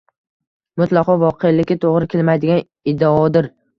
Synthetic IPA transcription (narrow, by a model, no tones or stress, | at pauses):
mʊt̪lˠɑqʰɒvɒqʰelɪkʲɪt̪ʰoʁɾɪkʲelmajd̪ɪɡʲan | ɪd̪ːaɒd̪ɪɾ